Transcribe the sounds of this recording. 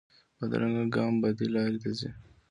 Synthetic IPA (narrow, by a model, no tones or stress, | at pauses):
pəd̪a̰ɾaŋɡaɡɑːmbɐd̪ilɑːɾit̪azi